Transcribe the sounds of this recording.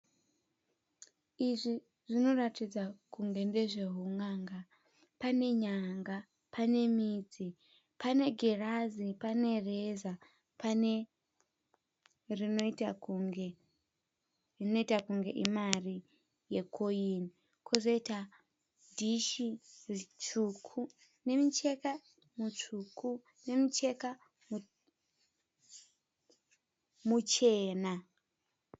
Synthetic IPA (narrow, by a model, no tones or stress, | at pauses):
iʐi | ʐ̥ino̞ratid͡zakuŋɡe̞nde̞ʐe̞ɦuŋaːŋɡa | pane̞ɲaŋɡa | pʰane̞miːd͡zi | pane̞ɡʱerazipane̞reza | pane | rinoita | ino̞itakuŋɡe̞ʔimari | jekʰoini | kʰozo̞ita | dʱiʃirit͡ʃukʰu | ne̞mit͡ʃeka | mut͡ʂukʰu | ne̞mit͡ʃe̞ka | mu | mut͡ʃe̞ːna